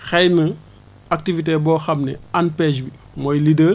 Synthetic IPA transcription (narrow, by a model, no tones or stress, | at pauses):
xɛjnɐ | ɐk̚tivit̬ebɔːxɐmnɛanpɛːd͡ʒbi | mɔjlidəːr